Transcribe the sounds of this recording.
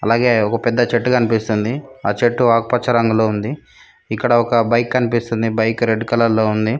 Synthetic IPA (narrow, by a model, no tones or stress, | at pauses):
ɐlaːɡe̞ːɔkɐpɛd̪ːɐt͡ʃeʈːukɐnipist̪und̪iaːt͡ʃeʈːuaːkupɐt͡ʃɐɾɐŋɡulo̞ːund̪i | ikːɐɽɐɔkɐbɐjkːɐnipist̪und̪ibɐjkɾeɖːkɐlɐlːo̞ːund̪i